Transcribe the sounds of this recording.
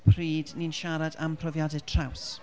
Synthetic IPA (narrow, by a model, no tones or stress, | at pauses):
pʰriːdninʃaɾadampʰrɔvjadɛtʰr̥aws